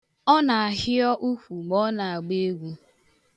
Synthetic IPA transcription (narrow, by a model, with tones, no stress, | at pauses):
ɔ˦na˨a˨ɦɪ˦ɔ˦ʔu˦kʷu˨ɡ͡bɔ˦na˨a˨ɡ͡be˦e˦ɡʷu˦